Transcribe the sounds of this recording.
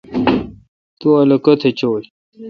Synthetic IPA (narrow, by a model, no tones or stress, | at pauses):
t̪uɐlɐkɐt̪ʰet͡ɕoːj